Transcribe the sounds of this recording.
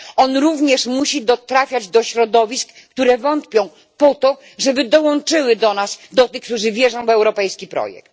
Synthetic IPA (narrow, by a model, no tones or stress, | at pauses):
ɔnɾuvɲɛʂmuɕid̪ɔt̪ɾafʲjad͡ʑd̪ɔɕɾɔd̪ɔvʲisk | t̪uɾɛvɔnt̪pʲjɔ̃w̃ | pɔt̪ɔ | ʐɛbɘd̪ɔwɔnt͡ʂɘwɘd̪ɔnasd̪ɔt̪ɘxkt̪uʐɘvʲjɛʐɔ̃w̃vɛwɾɔpɛjskʲipɾɔ̰jɛ̰k̚t̪